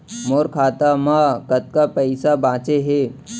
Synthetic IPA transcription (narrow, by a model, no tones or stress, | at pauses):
moːɾkʰaːt̪amakɐt̪̚kapɐɪsabãːt͡ʃeɦeː